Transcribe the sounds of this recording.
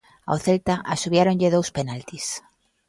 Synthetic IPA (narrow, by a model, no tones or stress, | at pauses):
a̰wθelt̪aʔasuβjaɾõɲʎeðowspenalt̪is